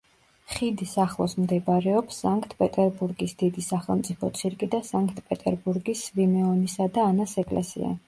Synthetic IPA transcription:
χid̪isaχlˠɔsmd̪ɛbaɾɛɔpsːaŋkʰʼt̪ʰpʼɛt̪ʼɛɾbuɾɡisd̪̥id̪isaχɛlˠmt̪sʼipʰɔt̪sʰiɾkʼid̪asaŋkʼt̪ʰʼpʼɛt̪ʼɛɾbuɾɡisvimɛɔnisad̪aːnasɛkʼlɛ̰sḭa̰

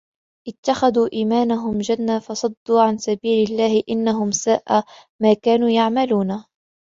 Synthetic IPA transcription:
ʔɪt̪ːaxaðuːʔiːmaːnaɦʊmd͡ʒanːafɑsˤɑd̪ːuːʕansabiːlɪlːaːhɪʔɪnːaɦʊmsaːʔa | maːkaːnuːjaʕmaluːna

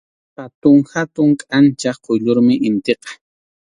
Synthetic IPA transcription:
pat̪ʊŋhat̪ʊŋkʼant͡ʃaqʰojʎʊɾmɪʔɪnt̪eqɑ̥

